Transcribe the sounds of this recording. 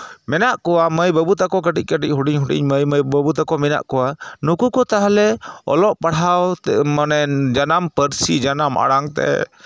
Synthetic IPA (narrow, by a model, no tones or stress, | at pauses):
mɛnaʔkɔwaməjbəbut̪akɔk̬əʈic̚ˀkəʈic̚ˀɦuʈḭɲɦuʈḭɲməjməjbəbut̪akɔmɛna̰ʔkɔwanukukɔt̪aɦalɛɔ̰lɔʔpaɽawmanɛd͡ʒanampəɾsid͡ʒanama̰ɽaŋt̪ɛ̰